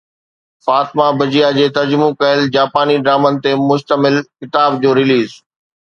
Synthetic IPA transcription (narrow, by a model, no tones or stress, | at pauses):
faːt̪mabɐd͡ʑijad͡ʑeːt̪ɐɾd͡ʑmũkɐɦɪld͡ʑaːpaːniɖɾaːmənɪ̆t̪emʊʃt̪əmɪlkɪt̪aːbd͡ʑoːɾɪliːz